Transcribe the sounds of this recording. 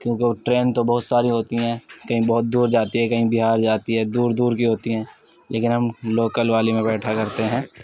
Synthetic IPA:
kjõːkeʈɾeːnt̪obɐɦʊt̪saːɾiɦoːt̪iɦɛ̃ːkɐɦĩbɐɦʊt̪̚d̪uːɾd͡ʒaːt̪iɦɛkɐɦĩbɪɦaːɾd͡ʒaːt̪iɦɛːd̪uːɾd̪uːɾkiɦoːt̪iɦɛ̃ː | lʔeːkɪnɦɐmloːkəlʋaːlimẽbɛːʈʰakɐɾt̪eɦɛ̃ː

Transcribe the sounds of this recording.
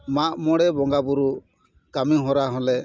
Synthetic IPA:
maʔmɔɽɛbɔŋɡabuɾu | kamiɦɔɾaɦɔ̃lɛ

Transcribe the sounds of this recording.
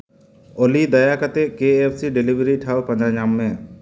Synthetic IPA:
olid̪ɐjakat̪ɛkeepʰsiɖilibɾiʈʰawpə̃ɲd͡ʒãɲamːẽ

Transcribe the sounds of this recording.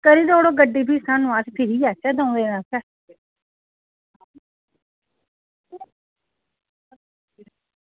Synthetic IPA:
kəɾiːd̪oːɽoːɡəɖiːpiːsãːnũãːt͡ʃpʰɪɾiːaːt͡ʃɛːd̪aũːd̪eːnãːsɛː

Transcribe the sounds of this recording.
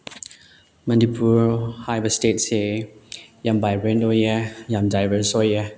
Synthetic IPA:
mãndipʰuɹhajbəstetse | jambajɹɛnojɛjamdajvəsɔjɛ

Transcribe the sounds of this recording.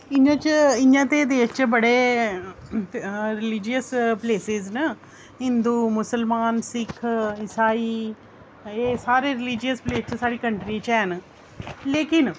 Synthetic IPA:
ɪɲãt͡ʃɪɲãt̪ed̪eːst͡ʃəbɐɽe | ɾɪlɪd͡ʒijəspleːsɪznə | ɦɪ̃nd̪uːmʊsəlmaːnsɪkʰɪsaːi | eːsaːɾeɾɪlid͡ʒijəspleːst͡ʃəsaːɽikɐ̃ɳʈɾit͡ʃɛn | leːkɪn

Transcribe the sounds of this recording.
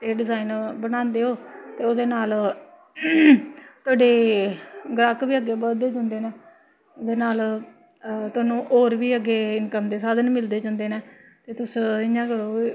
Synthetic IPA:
t̪eːɖɪzaːinbənãːnd̪eːɦoːt̪eːʊd̪eːnaːl | t̪ʊaːɖeː | ɡɾakʋiːəɡːeːbəld̪eːd͡ʒə̃ːnd̪eːneː | d̪eːnaːl | t̪ʊaːnũːʔoːɾʋiːəɡːeːɪnkəmd̪eːsaːd̪ənmɪld̪eːd͡ʒə̃ːnd̪eːnɛːt̪eːt̪ʊsɪjãːɡəɽõː

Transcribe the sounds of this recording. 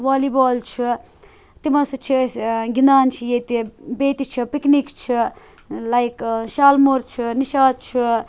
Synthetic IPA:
ʋaːliboːlt͡ʃʰu | t̪imɐsut͡ʃʰisɡind̪aːnt͡ʃʰijet̪ibeːt̪it͡ʃʰipiknikt͡ʃʰi | lajkʃaːlmuɾt͡ʃʰuniʃaːd̪̚t͡ʃʰu

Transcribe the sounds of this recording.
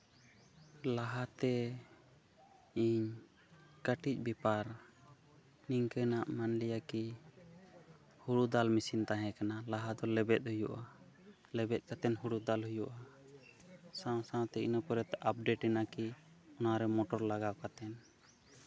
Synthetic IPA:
laɦat̪ɛ | iɲ | kəʈic̚ˀbipaɾ | niŋkɛnaʔmanlijaki | huɽud̪almisint̪aɦɛ̃kanalaɦad̪ɔlɛbɛt̪̚ˀhujuʔa | lɛbɛt̪̚ˀkat̪ɛnɦuɽud̪alɦujuʔa | sãw̃sãw̃t̪ɛinapɔɾɛt̪ɛʔap̚ɖeʈɛnaki | ɔnaɾɛmɔʈɔɾlaɡawkat̪ɛn

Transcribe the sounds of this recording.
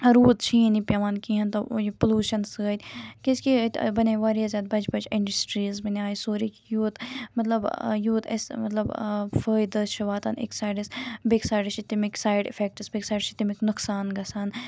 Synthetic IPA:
ɾuːt̪t͡ʃʰiːnipʲjɐʋaːnkiɦɐnt̪ɐpəluːʃɐnsəːt̪ʲkiskit̪ʲbɐnʲeʋaːɾiɐzʲɐːd̪̚bɐd͡ʒbɐd͡ʒiɳɖɐsʈɾiːzbɐnʲaːisoːɾikjuːt̪mɐt̪lɐbjuːt̪ɐ̰smɐt̪lɐbfəːjd̪ɨʃɐʋaːt̪ʰɐnḛksaːjɖisbeksaːjɖiʃit̪imiksaːjɖḭfek̚ʈɨsbeːksaːjɖt͡ʃit̪imiknuksaːnɡɐsan

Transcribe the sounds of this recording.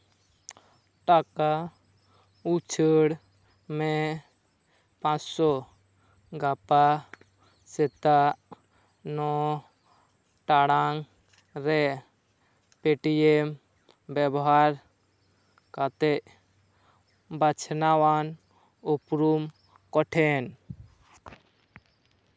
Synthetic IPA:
ʈaka | ut͡ʃʰəɽ | me | pãt͡ʃsɔ | ɡapa | set̪a | nɔ | ʈaɽaŋ | ɾɛ | peʈiem | bɛbɔɦaɾ | kat̪ɛʔ | bat͡ʃʰnawan | upɾum | kɔʈʰɛn

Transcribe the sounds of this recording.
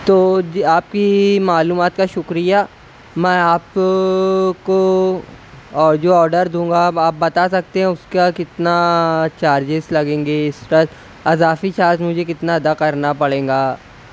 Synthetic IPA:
t̪oːaːp̚kimaːluːmaːt̪kaʃʊkɾija | mɛ̃ːaːp̚ | ko | ɔːɾd͡ʒoɔːɾɖəɾd̪ũːŋɡaaːp̚bɐt̪asɐk̚t̪eɦɛ̃ʊskakɪt̪nat͡ʃaːɾd͡ʒɪslɐɡẽːŋɡeɪsɾɐt | ɐzaːfit͡ʃaːɾd͡ʒmʊd͡ʒʱek̬ɪt̪naɐd̪akɐɾnapɐɽẽːɡaː

